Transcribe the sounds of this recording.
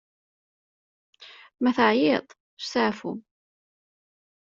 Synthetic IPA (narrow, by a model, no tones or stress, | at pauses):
mæθəʕjɪðˤ | ʃsaʕfṵm